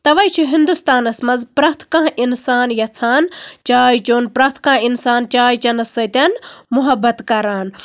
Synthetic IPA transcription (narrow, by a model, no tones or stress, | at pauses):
t̪ɐʋɐjt͡ʃʰiɦind̪ust̪aːnɐsmɐzpɾɐt̪ʰkãːʔinsaːnjɐt͡sʰaːnt͡ʃaːjt͡ʃoːnpɾɐt̪ʰkãːinsaːnt͡ʃaːjt͡ʃɐnɐsɐjt̪ɐnmuɦɐbɐt̪kɐɾaːn